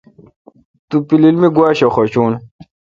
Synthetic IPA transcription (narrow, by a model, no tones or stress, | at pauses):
t̪upililmiɡwaːɕɐxot͡ɕuːn